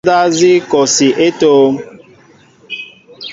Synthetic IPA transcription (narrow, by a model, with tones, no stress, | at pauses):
da˦zi˦kɔ˨si˨ʔe˦toː˦